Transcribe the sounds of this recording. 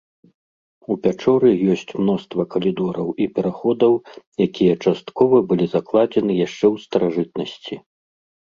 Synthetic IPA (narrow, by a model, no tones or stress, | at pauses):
upʲat͡ʂɔɾɨjɔsʲt͡sʲmnɔst̪vɐkɐlʲid̪ɔɾɐwipʲɛɾaxɔd̪ɐwjakʲijɐt͡ʂast̪kɔvɐbɨlʲizaklˠad͡zʲɛnɨjaʂt͡ʂɛwst̪ɐɾaʐɨt̪̚nɐsʲt͡sʲi